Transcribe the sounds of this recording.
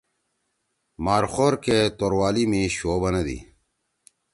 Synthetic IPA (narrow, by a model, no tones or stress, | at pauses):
maːɾxoːɾket̪oɾwaːlimĩɕoːbɐnɐd̪ḭ